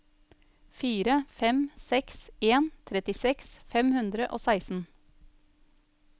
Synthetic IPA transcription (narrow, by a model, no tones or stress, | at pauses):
fiːɾəfɛmsɛkseːnt̪ʰɾɛt̪ɪsɛksfɛmhʉnd̪ɾəʔo̰ːsæɪsn̩